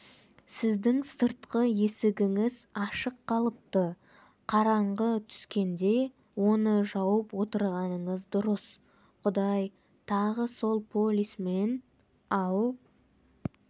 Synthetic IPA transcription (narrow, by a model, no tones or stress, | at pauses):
sɪzd̪ɪŋsəɾt̪qəje̞sɪɡʲɪŋɪzɑʃəqːɑlˠəp̚t̪ə | qʰɑɾɑɴʁət̪ʰʏ̥skʲe̞nd̪e̞ | wo̞nəʒɑwəpwo̞t̪əɾʁɑnəɴəzd̪ʊɾəs | qʰʊd̪ɑj | t̪ʰɑʁəso̞lˠpʰo̞lʲisme̞n | ɑw